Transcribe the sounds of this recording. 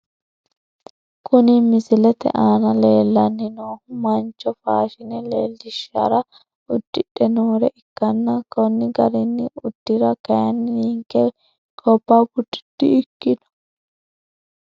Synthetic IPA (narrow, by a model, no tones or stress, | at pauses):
kʰʊnɪmɪsɪlɛt̪ɛ̰ʔaːnɐleːlːɐnːɪnoːhʊmɐnt͡ʃːɔfaːʃɪnɛleːlːɪʃːɐ̰ɾɐ | ʊd̪̥ːɪᶑːɛnoːɾɛʔɪkːɐnːɐkɔnːɪɡɐɾɛnːɪʊd̪̥ːɪɾɐkɐjɐnːniŋkːɛ | kʰɔpːaːbʊd̪ɪ̥d̪̥ːɪɪkːɪnɔ̥